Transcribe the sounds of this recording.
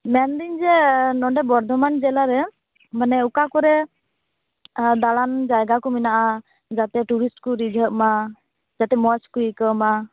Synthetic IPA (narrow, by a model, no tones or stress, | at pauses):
mɛnd̪iɲd͡ʒɛnɔɖɛbɔɾd̪ʱɔmand͡ʒɛlaɾɛ | manɛukakɔɾɛ | d̪aland͡ʒajɡakɔminaʔa | d͡ʒat̪ɛʈuɾisʈkuɾid͡ʒʱəʔma | d͡ʒat̪ɛmɔt͡ʃkuikəma